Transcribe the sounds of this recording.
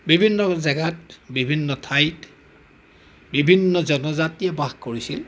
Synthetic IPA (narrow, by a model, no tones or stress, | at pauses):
bibʱinːɔzɛɡat̚bibʱinːɔtʰajt | bibʱinːɔzɔnɔzatijɛbaxkoɹisil